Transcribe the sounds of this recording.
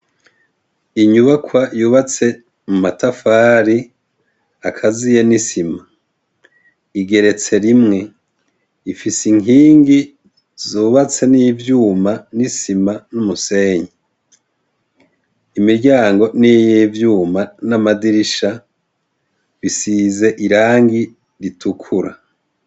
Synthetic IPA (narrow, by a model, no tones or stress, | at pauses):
iɲuβakwajuːβat͡se̞ | mumatafaːɾi | akʰazije̞nisima | iɡe̞ɾe̞t͡se̞ɾimŋe̞ | ifisiŋiːŋɡi | zuːβat͡se̞nijːvjuːmanisimanumuse̞ːɲi | imiɾɟaːŋɡo̞nijivjuːmanamadiɾiʃa | βisize̞ʔiɾaːŋɡi | ɾitʰukʰuɾa̰